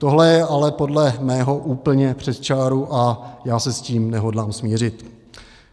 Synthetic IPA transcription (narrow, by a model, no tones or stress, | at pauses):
t̪oɦlɛjɛʔalɛpo̞dlɛmɛːɦo̞ʔuːpl̩ɲɛpr̝̥ɛt̪t͡ʃaːɾuʔajaːsɛsciːmnɛɦo̞dlaːmsmiːrɪt̪